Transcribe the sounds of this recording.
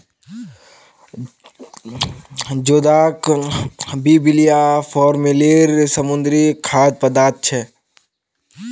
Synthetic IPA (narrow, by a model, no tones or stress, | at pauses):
d͡ʒoːd̪aːk | biːbilijafʰɔːɾmileːɾsəmʊ̃nd̪ɾikʰaːd̪̚pɐd̪aːt̪̚t͡ʃʰɛ